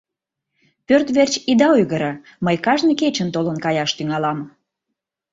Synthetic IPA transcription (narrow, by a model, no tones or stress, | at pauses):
pørt̪βert͡ɕid̪ɑujɣəɾə | məjkɑʒnəket͡ɕənt̪olənkɑjɑʃt̪yŋɑlɑm